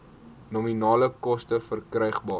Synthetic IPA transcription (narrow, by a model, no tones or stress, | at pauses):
nominɑːləkɔstəfərkrɛjχbɑː